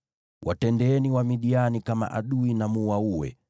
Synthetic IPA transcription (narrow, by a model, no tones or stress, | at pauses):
wʔatɛndɛɛniwamiɗianikama̰ʔaɗuinamuwauwɛ̰